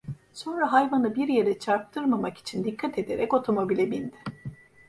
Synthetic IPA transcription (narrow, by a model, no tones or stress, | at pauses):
so̞nɾaɦajvanɯbiɾjeɾɛt͡ʃʰaɾp̚t̪ʰɯɾmamaki̥t͡ʃʰind̪ikʰːat̪ʰe̞d̪e̞ɾɛco̞t̪ʰo̞mo̞bilʲɛbind̪ɪ